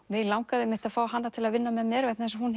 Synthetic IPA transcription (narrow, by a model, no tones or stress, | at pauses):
vɪlawŋkaðɪmɪht̪aðfaːwɦanːat̪ʰɪlaðvɪnːamɛmɛːɾvɛjt̪naθɛnsahun